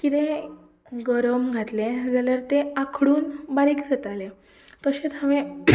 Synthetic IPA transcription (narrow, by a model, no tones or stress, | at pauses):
kit̪ẽ | ɡəɾəmɡʱat̪led͡zaljaɾt̪eakʰɽuːnbaɾikd̪ʱet̪ale | t̪əɕet̪ɦaʋẽ